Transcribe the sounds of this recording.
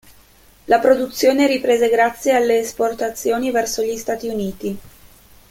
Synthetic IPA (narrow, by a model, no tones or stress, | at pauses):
lapɾod̪ut̪sːjoːneɾipɾeːzeɡɾat̪sːjealːeːsport̪at̪sːjoːnivɛrsoʎist̪aːt̪iuniːt̪i